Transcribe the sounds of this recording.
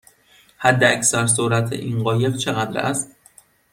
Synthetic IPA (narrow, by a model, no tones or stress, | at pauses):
hæd̪ːeæcsæɾs̬oɾæt̪ʰḛʔinɢɒːje̞ft͡ʃʰe̞ɣæd̪ɾæ̰st̪